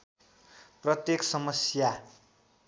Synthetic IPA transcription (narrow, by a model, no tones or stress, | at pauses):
prʌt̪jeksʌmʌsja